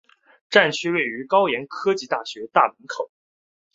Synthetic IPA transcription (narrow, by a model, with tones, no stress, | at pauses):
ʈ͡ʂa˥˩nt͡ɕʰy˥we˥˩ɪy˧˥kɑ˥ʊjɛ˧˥nkʰɤ˥t͡ɕi˥˧t̪a˥˩ɕɥɛ˧˥t̪a˥˩mə˧˥nkʰo˨˩˦ʊ